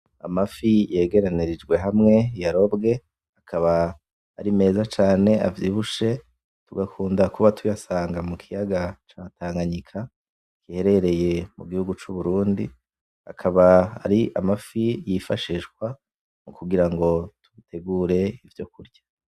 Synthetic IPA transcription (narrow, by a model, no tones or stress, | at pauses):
a̰mafije̞ːɡe̞ɾaniɾid͡ʒɡwe̞ɦamŋe̞jaɾo̞bɡe̞ | akʰaβaː | ɾime̞ːzat͡ʃaːne̞a̰vjiβuʃe̞ | tuɡakʰuːndakuβatʰujasaːŋɡamukʰijaɡat͡ʃataːŋɡaɲikʰa | kihe̞ɾe̞ɾe̞je̞muɡihuɡut͡ʃuβuɾuːndi | a̰kʰaβaa̰ɾiʔa̰mafijifaʃiʃɡwa | mukuɡiɾaŋɡo̞tuβitʰe̞ɡuɾe̞ivjo̞kuɾɟḁ